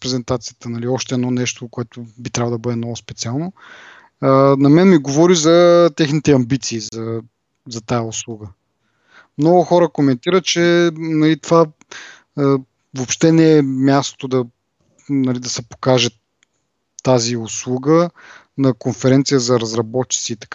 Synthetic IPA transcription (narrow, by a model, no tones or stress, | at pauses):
pɾɛzɛnt̪at̪sijət̪ənɐliɔʃt̪ɛːd̪nɔnɛʃt̪okoɛt̪ʊbit̪ɾʲavˠd̪ɐbɤd̪ɛmnɔɡʊspɛt̪sialˠno | ənɐmɛnmiɡovɔɾizɐt̪ɛxnit̪ɛɐmbit̪siːzɐ | zɐt̪ajɐʊslˠuɡə | mnɔɡʊxɔɾəkomɛnt̪iɾət̪̚t͡ʃɛnɐlit̪ova | vopʃt̪ɛnɛːmʲjast̪o̥t̪od̪ɐ | nɐlid̪ɐsɛpo̥kaʒɛ | t̪ːaziʊslˠuɡə | nɐkonfɛɾɛnt̪sijəzɐɾɐzɾɐbɔt̪t͡ʃi̥t̪siːt̪ɐ̥k